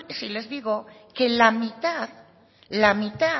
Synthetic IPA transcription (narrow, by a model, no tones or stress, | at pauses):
sile̞zðiɣo̞ | ke̞lamit̪að | lamit̪a